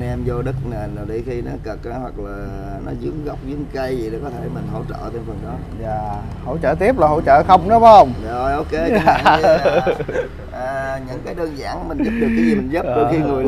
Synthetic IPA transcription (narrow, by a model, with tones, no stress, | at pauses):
nʔɛ˧mzo˧ɗə˦˥k̚ne˨˩na˨˩wɗi˧˩xi˧nɔ˨˦kə˨˩k̚ːhwa˨˩k̚laː˨˩ | nɔ̰˨˦zɨ˨˦əŋɣə˦˥wk͡p̚zɨ˨˦əŋkə˧jzi˨˩ɗe˨˩kɔ˨˦t̪ʰe˧˩mï˨˩ŋ̟ɦo̰˧˩t͡ɕə̰ː˧˨t̪e˧˩nfə˨˩nɗɔ˨˦ | zaː˨˩ | ho̰˧˨t͡ɕəː˧˨˩t̪̬i˦˥əp̚laː˨˩ɦo̰˧˨t͡ɕə̰ː˧˨xə˧wŋ͡mnɔ˨˦wə˧wŋ͡mɗo˨˩jʔo˧wke˨˦˧ | ʔəː˨˩ɲɨ̰˧˥ŋkaː˨˦jɗəː˧nza̰ː˧˩nmï̟˨˩zə˦˥p̚ɗɨ˨˧˦ki˧mi˨˩nzə˦˥ɗo˧˩˧xi˧ŋɨ˨˩əj